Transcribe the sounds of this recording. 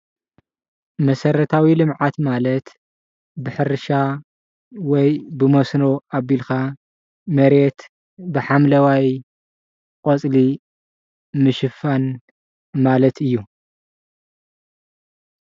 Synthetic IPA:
mɐsɐɾɐt̪ʰawilɨmʕat̪malɐt̪ | bɨħɨɾɨʃa | wɔjbɨmosnoabilxa | mɐɾet̪ | bɨħamlɐwaj | kʼot͡sʼli | mɨʃɨfan | malɐt̪ʰɨjːu

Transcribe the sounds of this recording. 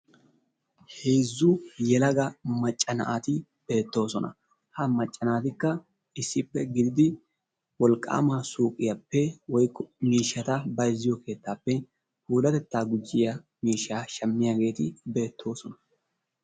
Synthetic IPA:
heːzːʊjɛlɐɡɐmɐt͡ʃʼːɐnɐ̰ʔat̪ɪ | b̥e̞ːt̪ːo̞ːsɔnʔɐ̰ | hɐmɐt͡ʃʼːɐnaːt̪ɪkːɐ | ɪsːɪpːɛɡɪd̪ɪd̪ɪ | wɔlkʼːa̰ːmaːsuːkʼɪjɐpːɛwɔjkːɔmiːʃːɐt̪ɐbɐjzːɪjɔke̞ːt̪ːaːpːɛ | huːd̪ɐt̪ɛt̪ːaːɡʊd͡ʒːɪjɐmiːʃːaːʃɐmːɪjaɡe̞ːt̪ɪbe̞ːt̪ʰːo̞ːsɔnɐ

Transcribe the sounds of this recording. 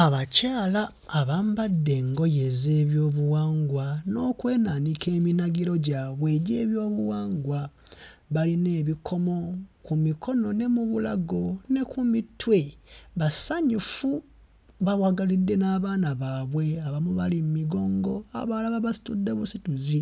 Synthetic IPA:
aβacaːlaː | βambadːe̞ŋɡo̞je̞zeːβjo̞ːβuwaːŋɡwano̞ːkwe̞ːnanikʰe̞ːminaɡiɾo̞ɟaːβwe̞ːɟe̞ːβjo̞ːβuwaːŋɡwaβaline̞ːβikʰo̞mo̞kumikʰo̞no̞ne̞muβula̰ɡo̞ne̞kumitwe̞βasaɲufu | βawaɡalidːe̞naːβaːnaβaːβwe̞aβamuβalimmiɡo̞ːŋɡo̞a̰βaːlaβaβasi̥tudːe̞βusituzi

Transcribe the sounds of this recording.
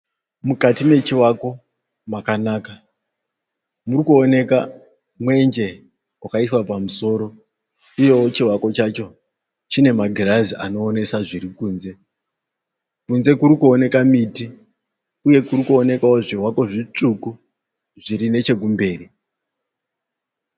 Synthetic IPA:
mukatime̞t͡ʃiwako̞ | makanaːka | murikuone̞ka | mwe̞nd͡ʒe̞ | wakaiswapamuso̞ːɾo̞ | uje̞wot͡ʃiwako̞t͡ʃat͡ʃo̞ | t͡ʃine̞maɡʱirazia̰no̞ːne̞saʐirikuːnze̞ | kunze̞kuɾikuone̞kamiti | uje̞kurikuone̞kaoʐirwako̞ʐit͡ʂuku | ʐiɾine̞t͡ʃe̞k̬umbe̞ːri

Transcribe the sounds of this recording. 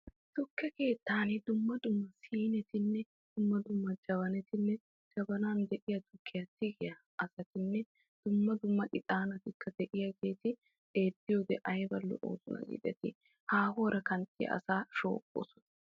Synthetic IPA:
t̪ʊkːɛke̞ːt̪ːaːnɪd̪ʊmːɐd̪ʊmːɐsiːnɛt̪ɪnːɛ | d̪̥ʊmːɐd̪ʊmːɐd͡ʒɐβɐnɛt̪ɪnːɛ | d͡ʒɐbɐnaːnd̪ɛʔɪjɐt̪ʊkʰːɪjɐt̪ːɪɡɪjɐ | ʔɐsɐt̪ɪnːɛ | d̪̥ʊmːɐd̪ʊmːɐʔʼɪt̪ʼaːnɐt̪ɪkːɐd̪ɛʔɪjɐɡe̞ːt̪ɪ | ʔe̞ːd̪ːɪjoːd̪ɛʔɐjbɐlːɔ̰ʔo̰ːsʊnɐ̰ɡḭd̪ɛt̪ɪ | haːhoːɾɐkɐnt̪ɪjɐ̰ʔɐ̰saːʃo̰ːkʼːo̰sɔ̥nɐ̥

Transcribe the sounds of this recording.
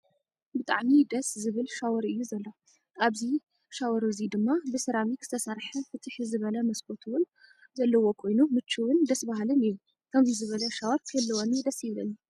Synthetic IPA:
bɨt̪ʼa̰ʕmid̪ɐszɨβɨlʃawɔɾɨjːuzɐlːo | aβzi | ʃawɔɾuzid̪ɨmːabɨsɐɾamikʰz̥ɨ̥t̪ʰɐsɐɾħɐfɨt̪ʰɨħizɨβɐlɐmɐskot̪ʰuwʊn | zɐlːɐwo̞kʰo̞jnumɨt͡ʃːɨwɨnd̪ɐsbaɦalɨniju | kʰɐmzizɨβɐlɐʃawɔɾkʰɐlːɐwonid̪ɐsjɪβlɐnːu

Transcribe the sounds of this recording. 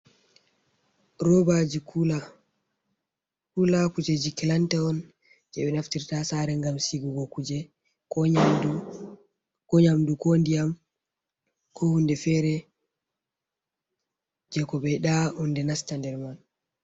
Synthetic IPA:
ɾɔbad͡ʒikula | kulakud͡ʒed͡ʒikɛlantɛɔn | d͡ʒɛɓɛnaftiɾtasaɾɛŋɡamsiɡuɡɔkud͡ʒɛ | kɔadu | kɔɲamdukondijam | kʰɔhundɛfɛɾɛ | d͡ʒɛkɔbɛjɗahundɛnastandɛɾman

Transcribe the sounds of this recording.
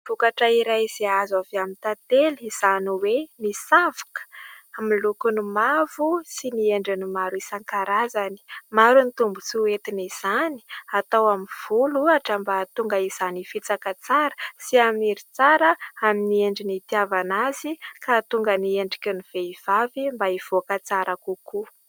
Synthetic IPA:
v̥ukaʈ͡ʂaiɾajz̥iazaveamint̪at̪eliz̥aniwenisavu̥kə̥ | amilukunimavusinieɳɖ͡ʐinimaɾisaŋkaɾazani̥maɾunit̪umbut͡siet̪iniz̥ani̥at̪awamiv̥uluaʈ͡ʂəmbat̪uŋɡəiz̥anifit͡sakət͡saɾəsiamiɾit͡saɾəaminieɳɖ͡ʐinit̪iavanazikat̪uŋɡənieɳɖ͡ʐikʲeniv̥eiv̥avimbaiv̥okət͡saɾakuku

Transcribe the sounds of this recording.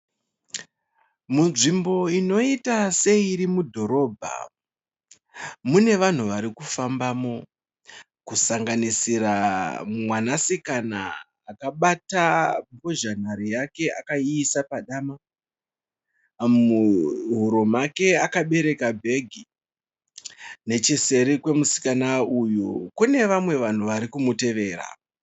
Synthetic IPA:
munʐimbo̞ino̞itase̞iɾimudʱo̞ɾo̞ːbʱa̰ | mune̞ʋan̤uʋaɾikufambaːmo̞ | kusaŋɡanisiɾamwanasikana̰ː | kaɓataboʒan̤aɾijake̞ʔakaiːsapaɗaːma | muɦuɾomake̞akaɓe̞ɾe̞kabʱe̞ɡʱi | ne̞t͡ʃise̞ɾikwe̞musi̥kanaujukune̞ʋamwe̞ʋan̤uʋaɾikumute̞ʋe̞ːɾa̰

